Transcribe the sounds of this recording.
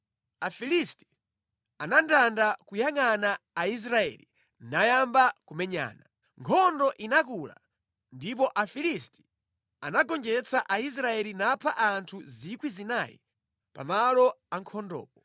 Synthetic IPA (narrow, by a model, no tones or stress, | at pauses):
afilisti̥ | anandandakujaŋanaːis̬ɾaɛ̰ːli | najambakumɛɲa̰ːna | ŋkʰɔndɔʔinakula̰ | ndip̬ɔʔafilisti̥ | anaɡɔnd͡ʒɛt͡saʔais̬ɾaɛlinapʰaʔantʰuzikwizinaːjḭ | pa̰malɔaŋkʰɔndɔ̰ːpɔ